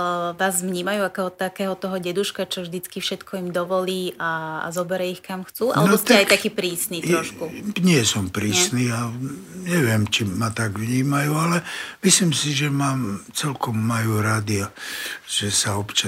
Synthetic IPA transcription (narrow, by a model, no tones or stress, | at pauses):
ʋaːzʋɲiːmajuakɛɔt̪akɛːɦɔt̪ɔɦɔɟɛd̪uʃkat͡ʃɔvʒd̪it͡skifʃɛt̪kʰɔimd̪ɔʋɔliːa̰zɔbɛɾɛixkamxt͡suːalnɛbɔst̪ɛajk̪akiːpɾiːsniːt̪ɾɔʃkuɲɪɛsɔmpɾiːsniːaɲɛʋɪɛmt͡ʃimat̪aɡʋɲiːmajualɛmislimsiʒɛmaːmt͡sɛlkɔmːajuːɾad̪iaʒ̥ɛsaɔpt͡ʃa